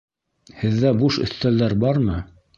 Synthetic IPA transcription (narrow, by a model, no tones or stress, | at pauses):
hɘ̆ðːæbuʃɵ̰̆θt̪ælːæɾbɑɾmɤ